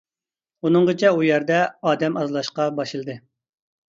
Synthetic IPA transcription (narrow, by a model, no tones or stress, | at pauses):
unɨŋʁət͡ʃʰɛujæɾd̪ɛɑːd̪ɛmɑzlˠɑʃqɑbɑʃɨlˠɨd̪ɨ